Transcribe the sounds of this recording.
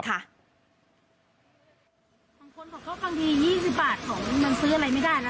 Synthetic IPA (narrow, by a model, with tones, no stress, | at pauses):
kʰa˥˩ʔ | baː˧ŋkʰo˧nbɔː˨˩kːɔː˥˩fa˧ŋdiː˧jiː˥˩si˨˩p̚baː˨˩t̪̚kʰɔː˩˦ŋna˧nsɯː˦˥a˨ɾa˧jma˥˩jdaː˥˩jlɛ˦